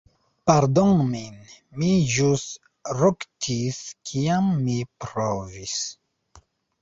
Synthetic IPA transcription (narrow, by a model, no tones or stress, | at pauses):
paɾdonmin | miʒust | ɾoktʰiskʰiamːipɾovis